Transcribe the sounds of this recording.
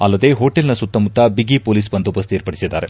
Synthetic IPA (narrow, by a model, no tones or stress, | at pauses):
ɐlːɐd̪e̞ɦoːʈelnɐsut̪ːɐmut̪ːɐbiɡipoːliːsbɐnd̪upɐst̪ieːɾpɐɽisid̪ːa̰ːɾe